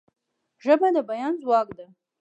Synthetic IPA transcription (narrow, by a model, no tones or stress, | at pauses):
ʒɐbanabajanzwaɡʼda